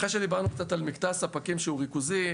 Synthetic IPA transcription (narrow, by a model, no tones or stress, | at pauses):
χʁeʃed̪ibaʁnukt͡sat̪almikt̪asapakimʃeuʁikuzi